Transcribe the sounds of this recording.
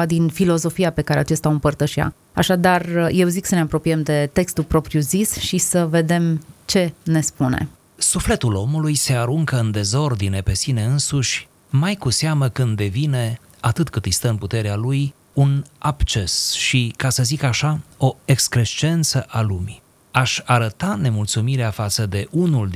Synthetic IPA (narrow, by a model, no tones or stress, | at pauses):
ad̪infilo̞zo̞fiape̞kaɾeat͡ʃe̞st̪aɨmpərt̪əʃia̰ | aʃad̪arje̞wziksəne̞apɾo̞pijemd̪e̞t̪e̞kst̪ulpɾo̞pɾijuzisʃisəve̞d̪e̞mt͡ʃe̞ne̞spunḛ | sufle̞t̪ulo̞mulujse̞aɾuŋkəɨnd̪e̞zo̞rd̪ine̞pe̞sine̞ɨnsuʃʲ | majkuseaməkɨnd̪ːe̞vine̞ | at̪ɨt̪kɨt̪ɨjst̪əɨnput̪e̞ɾealuj | unabt͡ʃe̞sʃikasəzikaʃao̞e̞kskɾeʃt͡ʃe̞nt̪səʔalumi | aʃʲaɾət̪ane̞mult̪sumiɾeafat̪səd̪e̞ʔunuld̪